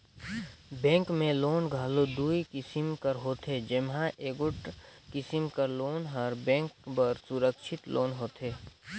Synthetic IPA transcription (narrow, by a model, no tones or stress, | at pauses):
bɛ̃ːŋkmẽloːnɡʱaːlod̪uːikɪsɪmkəɾɦoːt̪ed͡ʒɪmɦãʔeːɡʊʈkɪsɪmkəɾloːnɦɐɾbɛ̃ːŋkpəɾsʊɾəkʃʰɪt̪lʔoːnɦoːt̪ʰeː